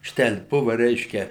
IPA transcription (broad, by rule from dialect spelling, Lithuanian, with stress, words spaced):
ˈʃʲtʲɛlʲ ˈbʊʋɐ ˈrʲɛɪʃʲkʲɛ